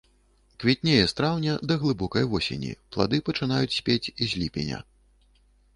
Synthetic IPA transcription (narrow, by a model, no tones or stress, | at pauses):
kvʲɛt̪ʲnʲejɛst̪ɾawnʲɐd̪ɐɣlˠɨbɔkɐjvɔsʲḛnʲḭplˠa̰d̪ɨpɐt͡ʂɨn̪ajut͡sʲsʲpʲet͡sʲizʲlʲipʲɛ̰nʲɐ̰